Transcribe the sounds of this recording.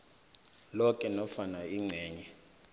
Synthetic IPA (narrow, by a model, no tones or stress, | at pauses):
lɔkʼɛnɔfanaiŋ͡ǀʱɛːɲɛ